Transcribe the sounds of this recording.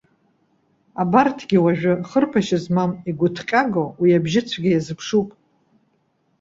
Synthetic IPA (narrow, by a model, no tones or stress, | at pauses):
abartʰɡʲiwaʒᶣʊχərpʰaʃɪzmamiɡʷʊtʰqʲʼaɡowiabʒɪt͡sʷʰɡʲɪjazɨpʰʂupʼ